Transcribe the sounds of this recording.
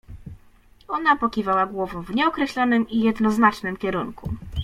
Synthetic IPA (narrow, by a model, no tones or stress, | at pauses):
ɔnapɔkʲivawaɡwɔvɔ̃w̃vɲɛɔkɾɛɕlɔnɘmijɛd̪nɔznat͡ʂnɘmkʲɛɾuŋkṵ